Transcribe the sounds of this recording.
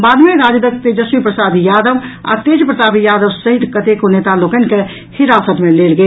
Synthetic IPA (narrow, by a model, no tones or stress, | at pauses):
bad̪ʱmeɾad͡ʒd̪əkt̪ed͡ʒəsmipɾəsad̪jad̪əʋa̰t̪ed͡ʒpɾət̪abijad̪əʋsəɦit̪kət̪ekonet̪alokənke | hiɾasət̪melelɡeːl